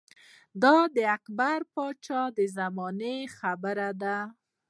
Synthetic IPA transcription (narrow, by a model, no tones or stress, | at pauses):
d̪ɑd̪əakbaɾpɑt͡ʃɑd̪əzamɑnexabəɾad̪a